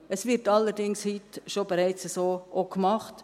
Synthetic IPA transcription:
əsʋɪɾtɑlːəɾdɪŋshitʃobeɾɛɪt͡səsoːʔokmɑχt

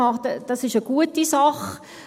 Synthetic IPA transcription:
ɑtəd̥ɑsɪʃəɡ̥uətisɑχ

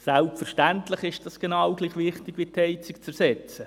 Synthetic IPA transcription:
sælpfɛrʃtæntləχɪʃd̥ɑsɡ̥enɑwɡliːχʋɪχtɪɡʋitʰhɛɪt͡sɪkt͡sɛɾsɛt͡sə

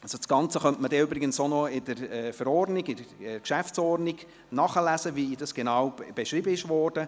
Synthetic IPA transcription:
ɑsosɡ̥ɑnt͡səχœntmədɛʏbɾɪɡənsonɔɪd̥əɾɛːfəɾɔrdniɡɪdəɛkʃæft͡sɔːrniɡ | nɑːχəlæsəvid̥ɑsɡ̥enɑːwb̥eʃɾibəɪʃʋɔːrd̥ə

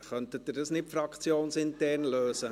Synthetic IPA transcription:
χœnt̪ət̚dɪdɑsnɪtfɾɑkt͡sjoːnsɪntɛrnløːsə

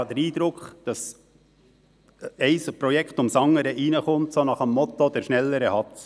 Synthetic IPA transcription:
ɑd̥̪əɾiːd̥̪ɾʊkχd̥ɑs | ɛɪspɾɔjɛkχtʊmsɑŋːəɾəʔinəχʊmtsonɑχəmːɔt̪od̥̪ɛɾʃnɛlːəɾəhɑt

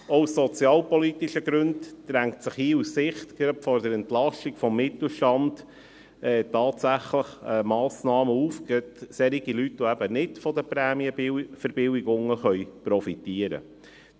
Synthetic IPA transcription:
ɔusːɔt͡sjɑːlpɔlit̪iʃəɡɾɵndd̥ɾæŋktsəχhiːussɪχt̪ɡ̥ɾɑpfɔɾd̪əɾɛntlɑʃtiɡ̥fɔmːɪt̪l̩ˠʃtɑnd | ɛːtɑːtsæχləχəmɑːsnɑːməuːfkət̪sɛɾiɡilytoæbənɪtfɔd̪əpɾæːmiəfəɾb̥ɪwiɡʊŋːəχœʏpɾɔfit̪iəɾə̰

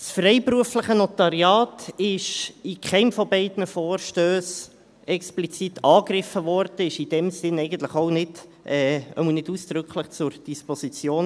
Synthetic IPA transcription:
sfrɛɪpruəfləχənɔt̪ɑɾjɑːtɪʃikχɛɪmfɔbɛɪdnəfɔːrʃtøːs | ɛksplit͡sitʰɑːkrɪfəʋɔrd̥əɪʃid̥ɛmsɪnɛɪɡən̩t̪ləχoʊnɪd̥ʔɛːœ̰mənɪduːsd̥ɾʏkχləχt͡sʊɾd̥isposit͡sjoːn

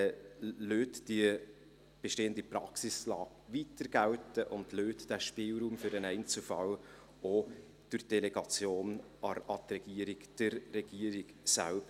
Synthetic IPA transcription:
løːtd̥iə | b̥eʃteːəndipɾɑksɪslɑːɡʋitəɾɡ̥æwtəʔʊndløːt̪d̥æʃpɪːlɾuːmfʏɾənɛɪnt͡səlfɑl | o | d̥ʊd̥ɛlɛɡɑt͡sjoːn | ɑɑt̪rɛɡ̥iəɾɪɡd̥əɾːɛɡ̥iːəɾiɡsæ̰lbə

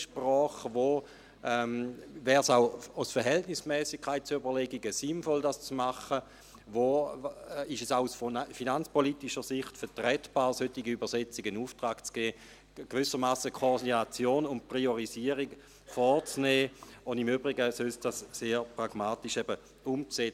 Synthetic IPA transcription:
ʃpʁɔːχʋoː | ɛmvɛːʁsaʊasfɛɐɦɛltnismɛːsikkʰːaɪt̚t͡suybəʁleɡiɡəsinfɔldast͡smaχə | voː | iʃɛsaʊusfinant͡spʰolitiʃəsiχtfɛɐtʁɛtb̥aːʁsøtiɡiybəʁset͡siɡ̥ənuːftʁaːkt͡sɡ̥ɛː | ɡ̥vʏsəmaːsəkʰodinat͡sjoːnʊntprioʁiziəʁik | fɔt͡sneːʊndimybʁiɡəsølsd̥asːeːɾpʁaɡ̥maːtiʃɛbə | umt͡se

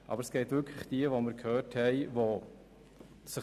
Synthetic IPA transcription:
ʔɑ̰bəɾsɡ̥ɛɪtʋʏkʰləχd̥iəvoməɾkʰhøːthɛɪvo | sə

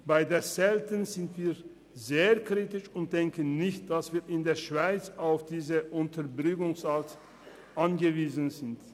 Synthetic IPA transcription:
b̥aɪdeːɐzɛltənzɪntv̥iːɐ | zeːɐkʁ̥iːtɪʃʊnt̚d̥ɛŋkənːɪçt̚d̥asv̥iːɐɪndeːɐʃv̥aɪt͡saʊfd̥iːzəʔʊntʰɐɐbʁʏkʊŋsalt | ʔanɡəviːzn̩zɪnt

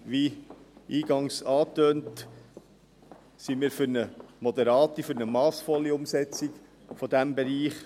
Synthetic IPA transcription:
ʋiiːɡɑŋsɑːtøːnt | simiːɾfʏɾnəmɔd̪ɛɾɑːt̪ifʏɾnəmɑːsfɔlːiʊmsɛt͡sik | fɔd̪æmbɛɾiːχ

